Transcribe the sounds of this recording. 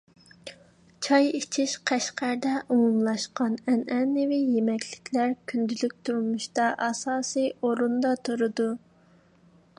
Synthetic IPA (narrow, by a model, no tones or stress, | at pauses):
t͡ʃʰɑjit͡ʃʰiʃqʰæʃqæɾd̪ɛʔumumlˠɑʃqɑnɛnɛnɪvijemɛkʲʰlɪkʲʰlæɾkʲʰynd̪ylyk̚ʲt̪ʰuɾmuʃt̪ɑʔɑsɑːsɨjoɾund̪ɑt̪ʰuɾɨd̪u